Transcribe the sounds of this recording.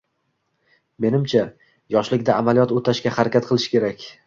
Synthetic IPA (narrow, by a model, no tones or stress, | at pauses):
me̞nɪmt͡ʃʰa | jɒʃlɪkʲd̪aːmalijɒt̪ot̪ʰaʃkʲahaɾakʲat̪̚qʰɨlˠɪʃkʲe̞ɾakʲ